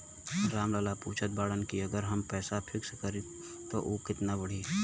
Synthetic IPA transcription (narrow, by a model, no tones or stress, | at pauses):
ɾaːmlaːlapuːt͡ʃʰət̪̚baːɽənkiɐɡəɾɦɐmpɛːsapʰɪkskəɾi | t̪oʔoːkɪt̪nabəɽ̤i